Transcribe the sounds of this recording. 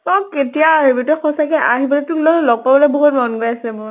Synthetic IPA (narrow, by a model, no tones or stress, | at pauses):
sɔkketijaɦɔbotɔxɔsakɛʔaɦibɔlɛtunlɔlɔɡ̚pabɔlɛbɔɦutmɔnɡɔasɛmʊɹ